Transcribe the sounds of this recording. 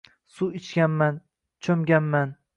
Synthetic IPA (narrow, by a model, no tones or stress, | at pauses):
suɪt͡ʃkʲanman | t͡ʃʰɵmɡʲanman